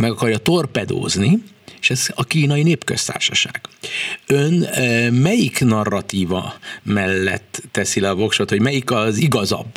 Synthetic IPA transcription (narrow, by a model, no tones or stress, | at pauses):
mɛɡɒkɒrjɒt̪o̞rpɛd̪o̰ːzni | eʃɛzɒkiːnɒjineːpkøst̪a̰ːrʃɒʃa̰ːɡ̥ønmɛjiknɒrːɒt̪iːvɒ̰mɛlːɛ̰t̪ːɛsilɛɒvo̞kʃot̪ho̞ɟmɛjikɒziɡɒzɒ̰bː